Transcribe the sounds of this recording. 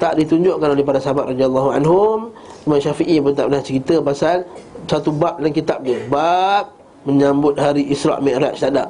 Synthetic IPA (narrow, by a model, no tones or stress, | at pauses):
t̪aʔdit̪uɲd͡ʒʊʔkanolehpadasəɦabat̪̚rɔd̪ialːɔɦuanɦʊm | imanʃafiʔipət̪aʔpnaht͡ʃəɾit̪əpasalsat̪ubap̚laŋkit̪ap̚dəbap̚ | mə̃ɲãmbʊt̪̚haɾiʔisɾa̰ʔmɛ̃ʔɾa̰ʔ̪st̪adaʔ̚